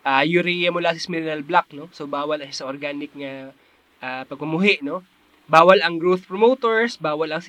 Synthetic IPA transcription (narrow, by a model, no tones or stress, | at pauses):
ʔaːjuɾijɐmʊlasɪsmɪɾɪnɐlblak̚nosobaːwɐlɐʃasɐʔoɾɡaːnɪk̚ŋɐ | ʔaːpɐɡ̚pʊmʊɦɪʔno̞ | baːwɐlɐŋɡɾot̪pɾɹomot̪oɹsbaːwɐlɐŋs